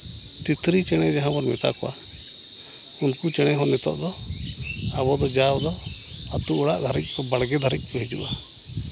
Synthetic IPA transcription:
t̪it̪ʰɾit͡ʃɛɽ̃ɛd͡ʒaɦãbɔɾmɛt̪a̰kɔa̰ | unkut͡ʃɛɽ̃ɛɦɔnɛt̪ɔ̰ʔd̪ɔ | aβɔd̪ɔd͡ʒawd̪ɔ | at̪uuɽaʔd̪ʱaɾik̚ˀkɔbaɽɡɛd̪ʱaɾik̚ˀpɔɦid͡ʒuʔa

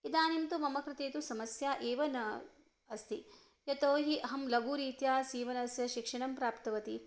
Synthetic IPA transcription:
id̪aːnimt̪umɐmɐkɾɪt̪eːt̪usɐmɐsjaːʔeːʋɐnɐ | ɐst̪ʰi | jɐt̪oːɦiʔɐɦɐmlɐɡuːɾiːt̪jaːsiːʋɐnɐsjɐʃikʂɐɳɐmpɾaːpt̪ɐʋɐt̪i

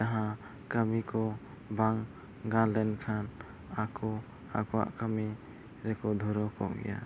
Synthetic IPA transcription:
aɦã | kəmikɔ | baŋ | ɡalɛnkʰan | akɔ | a̰kɔwa̰ʔkami | ɾɛkɔd̪ʱuɾɔkɔ̰ʔɡɛ̰ja̰

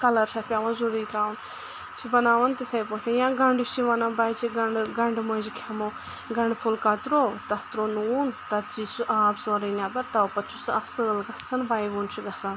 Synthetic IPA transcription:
kɐlɐɾsʰɐpʲaːʋɐnzuɾiːt̪ɾaːʋɐn | t͡ʃʰibɐnaːʋɐnt̪it̪ʰɐjpõːt̪ʲʰajãːɡɐɳɖit͡ʃʰiʋɐnãbaːjt͡ʃʰiɡɐɳɖɡɐɳɖmozikʲʰɐmo | ɡɐɳɖpʰulkɐt̪ɾoːt̪ɐt̪ɾonuːnt̪ɐt̪t͡ʃisuʔaːbzoːɾɐnʲãːbɐɾt̪ɐwpɐt͡ʃʰusɨɐsɨlɡɐsʰɐnbaːjʋuːnt͡ʃʰiɡɐsɐn

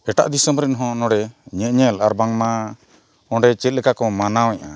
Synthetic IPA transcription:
ɛʈa̰ʔd̪isəmɾɛnɦɔ̃nɔ̃ɽɛɲɛ̃ʔɲɛlaɾbaŋma | ɔ̃ɳɖɛt͡ʃɛt̪̚ˀlɛkakɔmanawɲaʔa̰

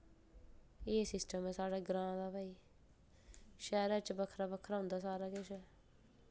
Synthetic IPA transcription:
eːsɪsʈəmɛ̃ːsaːɽaːɡɾãːd̪aːpaːiː | ʃɛːɾaːt͡ʃbəkʰːɾaːbəkʰːɾaːɦʊ̃nd̪aːsaːɾaːkɪʃɛː

